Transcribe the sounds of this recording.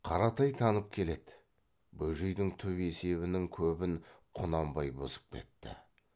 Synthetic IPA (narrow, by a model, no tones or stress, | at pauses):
qʰɑɾɑt̪ɑjt̪ʰɑnəp̚kʲʰe̞le̞d̪ɪ | bɵʒejd̪ɪŋt̪ʰʏβe̞se̞βɪnɪŋkʲʰɵbɪŋqʰʊnɑmbɑjbozə̥p̚kʲʰe̞̰t̪ːɪ̰